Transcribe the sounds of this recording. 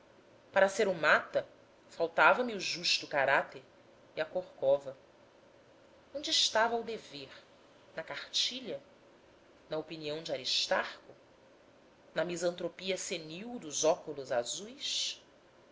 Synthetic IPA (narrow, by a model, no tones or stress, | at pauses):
paɾɐseɾʊmat̪ɐ | fawt̪avɐmɪuʒuʃt̪ʊkaɾat̪eɾ | iɐkoɾkɔvɐ | õnd͡ʒɪːʃt̪avɐːwd̪eveɾ | nɐkaχt͡ʃiʎɐ | nɐopiniɐ̃w̃d͡ʒɪaɾiʃt̪aχkʊ | nɐmizɐ̃nt̪ɾopiɐseniwd̪ʊzɔkʊlʊzazujs